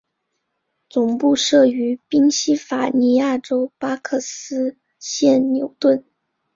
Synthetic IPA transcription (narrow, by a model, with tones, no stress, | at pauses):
t͡sʊ˨˩ŋpu˥˧ʂɤ˥˩y˧˥pi˥ŋɕi˥fa˨˩ni˧˥ja˥˩ʈ͡ʂo˥ʊpa˥kʰɤ˥˩sɹ̩˥ | ɕjɛ˥˩nnjo˧˥ʊt̪wə˥˩n